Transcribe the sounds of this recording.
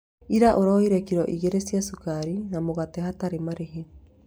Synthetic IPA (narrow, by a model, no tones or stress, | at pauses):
iɾaʔoɾɔiɾɛkiɾɔʔiɣeɾɛsjasukaɾinamoɣatɛhataɾemaɾeɦini